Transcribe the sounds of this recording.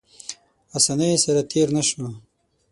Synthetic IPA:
asanesɐɾat̪ʰeːɾnaʃo

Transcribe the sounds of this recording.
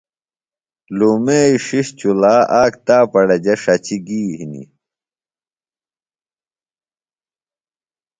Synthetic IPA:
luːmeːiʂiɕt͡ɕulaːʔaːkt̪aːpɐɽɐd͡ʑɐʂɐt͡ɕiɡiːɦinḭ

